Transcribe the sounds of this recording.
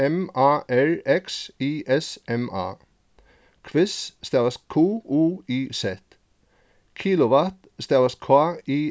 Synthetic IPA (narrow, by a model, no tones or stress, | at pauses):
ɛmɑːʔæɹɛksiːʔɛsɛmʔɑ̰ː | kʰʋɪsst̪ɛːʋaskʰuːuːiːsɛt̪ | kʰiːlʊʋɑt̪ | st̪ɛʋɐskʰwɑːiː